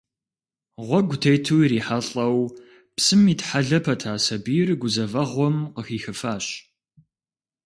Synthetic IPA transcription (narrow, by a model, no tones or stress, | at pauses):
ʁʷɔɡʷʊtʰejtʰuːiɾiːħaɬʼɐw | psɨmiːtħaɮɐpʰɐtʰaːsɐbiːrɡʷʊzɐvɐʁʷɔmqəxiːxɨfaːɕ